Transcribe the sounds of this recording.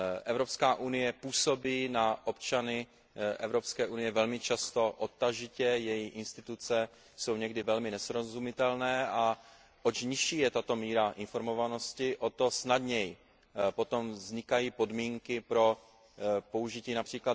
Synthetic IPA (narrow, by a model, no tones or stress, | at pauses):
ʔɛvɾo̞pskaːʔunɪjɛpuːso̞biːnaʔo̞pt͡ʃanɪ | ʔɛvɾo̞pskɛːʔunɪjɛvɛlmɪt͡ʃast̪o̞ʔot̪ːaʒɪcɛjɛjiʔɪnst̪ɪt̪ut͡sɛ | so̞wɲɛɡdɪvɛlmɪnɛsɾozumɪt̪ɛlnɛːʔa | ʔot͡ʃɲɪʃiːjɛt̪at̪o̞miːɾaʔɪnfo̞ɾmo̞vano̞scɪʔo̞t̪o̞snadɲɛj | po̞t̪o̞mzɲɪkajiːpo̞dmiːŋkɪpɾo̞ | po̞uʒɪciːnapr̥iːkla